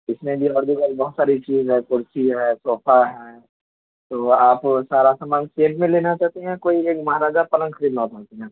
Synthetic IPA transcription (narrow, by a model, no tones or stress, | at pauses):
ɪsmẽbʱiɔːɾd̪ʱukəlbɐɦʊt̪saːɾit͡ʃiːzɦɛ̃ːkʊɾsiɦɛːsɔːpʰaɦɛː | t̪oːaːpsaːɾasamaːnsẽːʈmẽleːnat͡ʃaːɦt̪eɦɛ̃koːieːkmɐɦaɾaːd͡ʒapɐlə̃ŋɡʃɐɾiːd̪nãt̪aːt̪eɦɛ̃ː